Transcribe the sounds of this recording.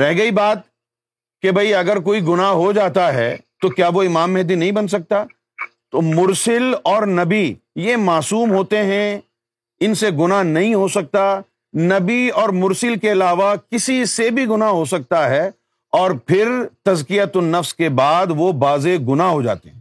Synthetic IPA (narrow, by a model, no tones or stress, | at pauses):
ɾɛɦɡɐibaːt̪̚ | kebʱɐiɐɡəɾkoːiɡʊnaɦod͡ʒaːt̪aɦɛt̪okjaːʋoɪmaːmːɛɦd̪inɐɦĩbɐns̬ɐk̚t̪a | t̪omʊɾsɪlɔːɾnɐbi | jemaːsuːmɦoːt̪eɦɛ̃ | ɪnseɡʊnaɦnɐɦĩɦosɐk̚t̪a | nɐbiɔːɾmʊɾsɪlkeɐlaːʋakɪsisebʱiɡʊnaɦosɐk̚t̪aɦɛ | ɔːɾpʰɪɾt̪ɐzkijət̪ʊnːɐfskebaːd̪ʋobaːzeɡʊnaɦɦod͡ʒa̰ːt̪eɦɛ̃